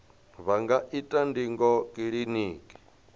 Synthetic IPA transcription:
βaŋɡaʔitʼandiŋɡɔkʼiɺiniːkʼi̥

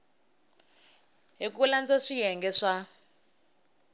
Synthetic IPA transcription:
ɦik̬uland͡zaʂijɛŋɡɛʂa

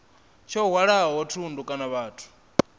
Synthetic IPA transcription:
t͡ʃʰɔɦwaɺaɦaɦɔtʰundukʼanaβaːtʰu̥

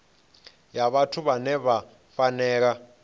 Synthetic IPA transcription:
jaβatʰuβanɛβa | fanɛːk̬a

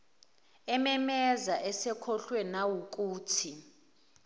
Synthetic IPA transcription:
ɛmɛmɛzaʔɛsɛkʰɔɬwɛnawuk̬uːtʰi

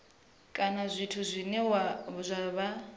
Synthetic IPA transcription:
kʼanazʷitʰuzʷinɛwazʷaβa

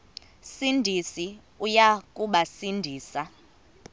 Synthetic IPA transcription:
sindʱisi | ujakʼuɓasindʱiːsa

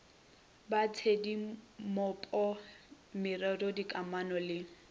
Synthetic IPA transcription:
bat͡sʰedimɔpʼɔ | mɪrɛdɔdikʼamanɔlɪ

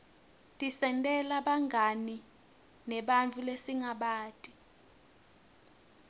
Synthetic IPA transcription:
tʼisɛntʼɛlaɓaŋʱani | nɛɓant͡fʰʼulesiŋaɓaːtʼi

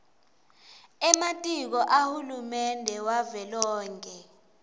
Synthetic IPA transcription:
ɛmatʼik̬ɔʔahulumɛndʱɛwavɛlɔːŋkʼɛ

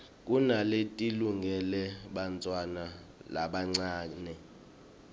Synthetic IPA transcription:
kʼunaletʼiluŋɡʱɛlɛɓant͡sʼwana | laɓaŋ͡ǀaːnɛ

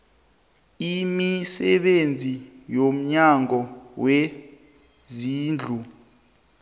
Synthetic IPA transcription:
imisɛ̰ɓend͡zʱijom̩ɲaŋɔwe | ziːnd͡ɮʱu

